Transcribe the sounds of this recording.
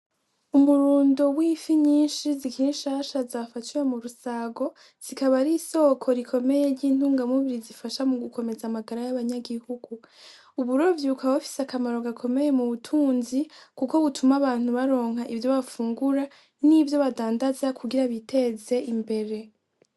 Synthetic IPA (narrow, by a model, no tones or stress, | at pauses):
umuɾuːndowiːfiɲiːnʃizikiinʃaːʃazafat͡ʃiwemuɾusaɡo̞ | z̥ikaβaɾiso̞kʰo̞ɾikʰo̞me̞je̞ɾɟiːn̥uːŋɡamuβiɾizifaʃamuɡukʰo̞me̞zamaɡaɾajaβaɲaɡihuɡu | uβuɾo̞vjiukʰawofi̥sakamaɾo̞ɡakʰo̞me̞je̞muβutʰuːnzikuko̞βutʰumaβaːn̥huβaɾo̞ːŋ̥haʔivjo̞βafuːŋɡuɾa | nivjo̞βadaːndazakʰuɡiɾaβitʰe̞ze̞imbe̞ɾe̞